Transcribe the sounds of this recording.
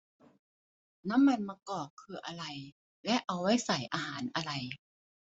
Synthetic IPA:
na˦˥˨mːa˧nmaː˧kɔː˨˩kʰːɯː˧ʔa˧ɾa˧j | lɛ˦˥ʔa˧wwa˦˥˩jsa˨˩˦jʔaː˧ɦaː˩˦nʔa˧ɾa˧j

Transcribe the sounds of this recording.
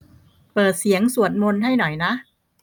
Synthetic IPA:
pɤː˨˩t̪̚si˩˦əŋsu˨˩ət̪̚mo˧nɦa˥˩jnɔ˨˩jna˦˥ʔ

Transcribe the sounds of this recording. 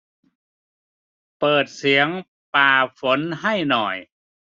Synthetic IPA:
pɤː˨˩t̪̚si˩˦əŋ | paː˨˩fo˩˦nɦa˥˩jnɔ˨˩j

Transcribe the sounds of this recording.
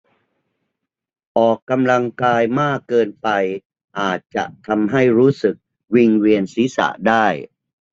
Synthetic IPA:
ʔɔː˨˩kːa˧mla˧ŋkaː˧jmaː˥˩kːɤː˧npa˧j | ʔaː˨˩t̪̚t͡ɕa̰˨˩ʔt̪ʰa˧mɦa˥˩jɾuː˦˥sɯ˨˩k̚ | wi˧ŋwi˧ənsiː˨˦˥sa̰˨˩ʔdaː˥˩j

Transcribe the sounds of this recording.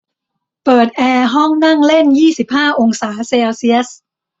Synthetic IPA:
pɤː˨˩t̪̚ʔɛː˧ɦɔ˥˩ŋna˥˩ŋle˥˩njiː˥˩si˨˩p̚haː˥˩ʔo˧ŋsaː˩˦seː˧wsi˥əs

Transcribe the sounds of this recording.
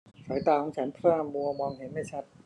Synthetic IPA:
faː˩˦jt̪aː˧kʰɔː˩˦ŋt͡ɕʰa˦˥npʰɯ˥˩˧mu˧ɐmɔː˧ŋɦe˩˦nma˥˩jt͡ɕʰa˦˥t̪̚

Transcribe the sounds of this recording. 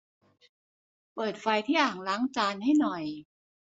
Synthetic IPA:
pɤː˨˩t̪̚fa˧jt̪ʰiː˥˩ʔaː˨˩ŋlaː˦˥ŋt͡ɕaː˧nha˥˩jnɔ˨˩j

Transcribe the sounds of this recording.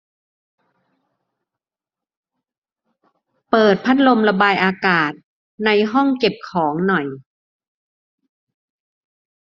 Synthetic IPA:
pɤː˨˩t̪̚pʰa˦˥t̪̚lo˧mla˧baː˧jʔaː˧kaː˨˩t̪̚ | na˧jɦɔ˥˩ŋke˨˩p̚kʰɔː˩˦ŋnɔ˨˩j

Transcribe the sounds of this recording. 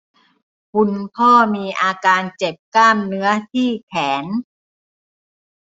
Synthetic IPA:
bu˧nkʰɔː˥˩miː˧ʔaː˧kaː˧nt͡ɕe˨˩p̚klaː˥˩mnɯ˦˥ɐt̪ʰiː˥˩kʰɛː˩˦n

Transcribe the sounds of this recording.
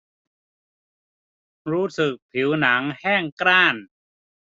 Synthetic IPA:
ɾuː˦˥sɯ˨˩k̚pʰi˩˦wna˩˦ŋhɛː˥˩ŋkɾaː˥˩n

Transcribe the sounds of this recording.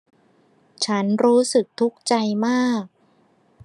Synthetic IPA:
t͡ɕʰa˦˥nɾuː˦˥sɯ˨˩k̚t̪ʰu˦˥k̚t͡ɕa˧jmaː˥˩k̚

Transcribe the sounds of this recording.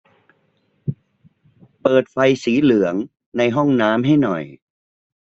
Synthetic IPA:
pɤː˨˩t̪̚fa˧jsiː˩˦lɯ˨˩˦əŋ | na˧jɦɔ˥˩ŋnaː˦˥mɦa˥˩jnɔ̰˨˩j

